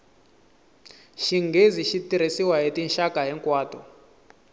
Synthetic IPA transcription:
ʃiŋɡeziʃitiɾ̤esiwaɦetinʃakaɦɛŋkwaːtɔ

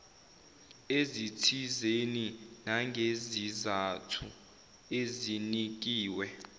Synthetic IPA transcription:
ezitʰizeninaŋʱezizatʰu | ezinik̬ʼiːwɛ

